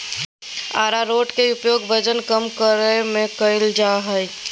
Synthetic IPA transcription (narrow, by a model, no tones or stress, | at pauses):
a̰ːɾaɾoːʈkeʊpjoːɡbʱəd͡ʒənkəmkəɾemẽkəɪld͡ʒaːɦəj